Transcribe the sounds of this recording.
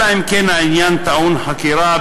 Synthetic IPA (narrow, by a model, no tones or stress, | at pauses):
aimkenainjant̪aunhakiɾa